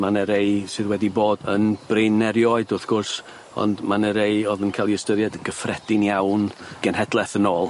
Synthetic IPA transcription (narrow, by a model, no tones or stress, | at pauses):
manəɾejsɨðwɛdiboːdənb̥renːɛɾjɔɨdʊθɡ̥ʊrs | ɔ̰ndmanəɾejɔðənkʰajlˠiəstəɾjɛdɡəfrɛdɪnjawnɡ̥ɛnɦɛdlˠɛθənoːlˠ